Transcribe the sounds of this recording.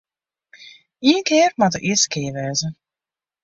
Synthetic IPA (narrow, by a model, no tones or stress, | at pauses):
iəŋkɪːrmat̪ṵʔiəskeːʋɛːzə